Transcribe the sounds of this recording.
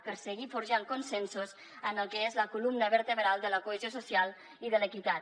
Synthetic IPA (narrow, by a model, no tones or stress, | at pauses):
pəɾsəɣifuɾʒaŋkunsensuz | ənəlˠkəezləkulumnəβəɾt̪əβɾalˠd̪ələkuəzjosusialˠ | iðələkit̪at̪